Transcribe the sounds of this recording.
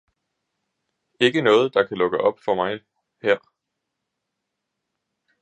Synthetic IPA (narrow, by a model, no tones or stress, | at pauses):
e̝ɡ̥ənɔ̽ːð̞̩ˠd̥ɑ̈kʰælɔ̽ɡ̥əʔɒ̽b̥fɒ̽mɑ̈ɪ | heɐ̰